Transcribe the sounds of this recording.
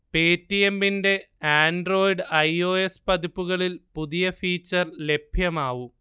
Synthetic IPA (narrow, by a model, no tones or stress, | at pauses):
peːtːijembinde̞ | aːnɖro̞ːjiɖɐjo̞ːe̞spɐðipːuɣɐɭilpuðijɐfiːt͡ɕːɐrle̞b̥ʱjɐmaːʋu